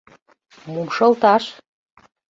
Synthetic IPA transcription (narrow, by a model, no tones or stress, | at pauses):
mumʃɤ̆lt̪ɑʃ